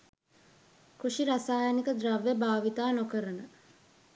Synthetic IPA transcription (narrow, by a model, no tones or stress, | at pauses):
kuʂiɾasaːjənikəd̪ɾaʋːebaːʋit̪aːnokəɾənə